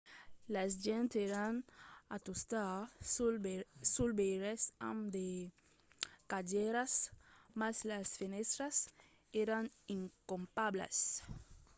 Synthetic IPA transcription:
lazd͡ʒɛ̃nt̪eɾanat̪ust̪a | sulbeɾesã̰md̪e | kad͡ʒɛɾasmaslasfinest̪ɾas | eɾaniŋkompabla̰s

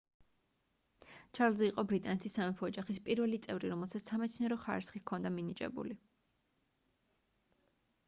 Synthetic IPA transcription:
t͡ʃʰaɾlzɛiqʼɔbɾit̪ʼanɛt̪ʰisːamɛpʰɔːd͡ʒaχispʼiɾvɛlit̪sʼɛvɾiɾɔmɛlˠsat̪ssamɛt̪sʰniɛɾɔχaɾisχikʰɔnd̪aminit͡ʃʼɛ̰bṵli

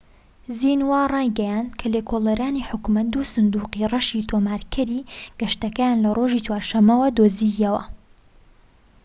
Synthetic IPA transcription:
zinwaːrˤɑːjɡɛjand̪kʰɐlekʰolɐɾaːniːħʊkumɐt̪̚d̪uːsɨnd̪uːqirɐʃit̪ʰomaːɾkʰɐɾiɡ̥ɐʃt̪ɐkɐjanlɐrʔoʒiːt͡ʃwaːɾʃɐmːɐwɐd̪oːzijɐwɐ̰

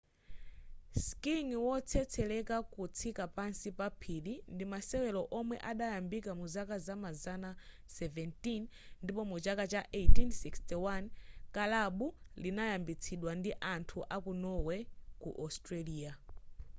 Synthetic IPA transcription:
skiŋwɔt͡sʰɛt͡sʰɛlɛkakut͡sʰikapansipapʰilindimasɛwɛlɔʔɔmwɛʔaɗajambikamuzakazamazana | sɛvɛntinndipɔmut͡ʃakat͡ʃaʔejtinsikstiwankalaɓulinajambit͡sʰiɗwandiʔantʰuʔakunɔwɛkṵʔɔstɾaliːa

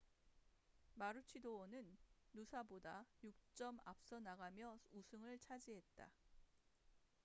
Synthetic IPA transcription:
maɾut͡ɕʰidowʌnɯnːusʰabodajuk̚t͡ɕ͈ʌma̰p̚s͈ʌnaɡamjʌusʰɯŋɯɭt͡ɕʰad͡ʑiɦe̞t̚t͈a̰

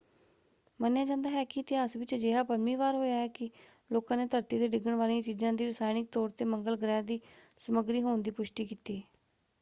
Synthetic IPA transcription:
mənjaːd͡ʒãːnd̪aːɦɛːkiːɪt̪ɪɦaːsʋɪt͡ʃd͡ʒeːɦaːpəɾmiːʋaːɾɦoːjaːɛːkɪ | loːkãːneːt̪əɾt̪iːd̪eːɖɪɡəɳʋaːliãːt͡ʃiːzãːd̪iːɾəsaːɪnɪk̚t̪ɔːɾt̪eːməŋɡəlɡɾɛːd̪iː | səməɡɾiːɦoːnd̪iːpʊʃʈiːkiːt̪iː

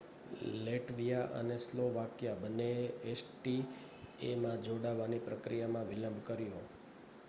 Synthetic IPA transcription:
leʈʋijaʔə̰nesloʋakjabənːeesʈi | emãd͡ʒoɽaʋanipɾəkɾijamãʋiləmbʱkəɾijõ

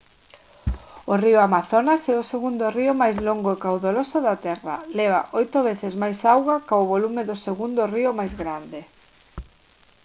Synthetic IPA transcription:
ʊriʊamaθonasɛʊseɣund̪oriʊmajzloŋɡoekawðolosʊðat̪ɛra̰lɛβ̞a̰ʔojt̪oβ̞eθɪzmajsawɣakaʊβolumɪðʊseɣund̪ʊriʊmajzɣɾand̪ɪ

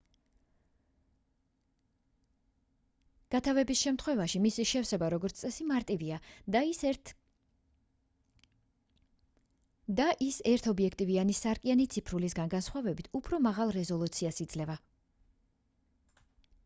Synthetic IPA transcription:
ɡ̥at̪ʰavɛbisʃɛmt̪ʰχwɛvaʃimisiʃɛfsɛbaɾɔɡɔɾt̪st̪ʼɛsimaɾt̪ʼivia | d̪aʔisɛɾt̪ʰɔbiɛkʰt̪ʼivianisaɾkʼianit̪sʰipʰɾulisɡanɡansχwavɛbit̪ʰupʰɾɔmaʁalˠɾɛzɔlˠut̪sʰiasid̪zlɛva

